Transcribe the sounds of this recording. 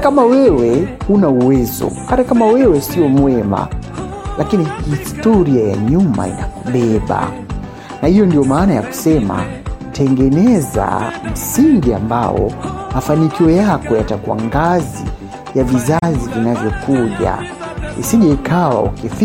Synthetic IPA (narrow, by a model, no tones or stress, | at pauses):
kamawɛwɛhunauwɛzɔ̰kaɾakamawɛwɛsiɔmwɛma̰ | lʔakinihistɔɾiaja̰ɲuma̰ḭnakuɓɛɓa̰ | nahijɔndiɔmaːnajaku̥sɛma̰tʰɛŋɡɛnɛza̰m̩siŋɡiambaɔ̰mafanikiɔjakɔjatakuwa̰ŋɡazḭ | javizazivinavjɔkuʄa̰ | ḭsiʄaikʰawa̰ṵkifi